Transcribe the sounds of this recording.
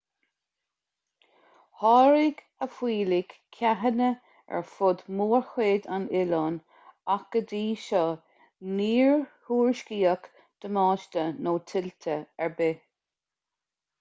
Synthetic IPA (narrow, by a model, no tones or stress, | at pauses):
hɑːɹiɡ | əfwiːliɡ̥ʰaɦənə | ɛ̰ɹfʊd̪muːɹxweːd̪anɪlɔːn | akəd̪iːʃɔ | niːɹhuːɹʃkiːək | d̪̥əmɑːʃtənoːt̪ʰɪlt̪ʰəɛɹbe